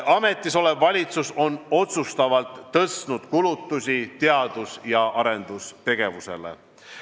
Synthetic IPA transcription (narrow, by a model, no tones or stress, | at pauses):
ɑme̞t̪ːˑiso̞levːɑlʲit̪suso̞no̞t̪sust̪ɑvɑlt̪ːɤsnud̪̥kulut̪ːˑusʲit̪eɑd̪̥usjɑʔɑɾe̞nd̪̥ust̪e̞ɡ̥e̞vuse̞̰lḛ